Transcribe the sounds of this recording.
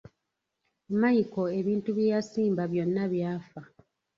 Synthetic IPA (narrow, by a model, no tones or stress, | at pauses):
majiko̞e̞βiːntuβjeːjasiːmbaβjo̞nːaβjaːfa